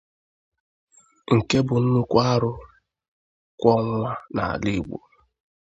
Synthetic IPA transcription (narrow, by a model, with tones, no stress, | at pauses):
ŋ̩˨ke˦bʊ˨n̩˦nʊ˦kʷa˦ɾʊ˦ | kʷɔ˦ŋʷa˦na̰˨a̰˨li˦˨ɡ͡bo̰˨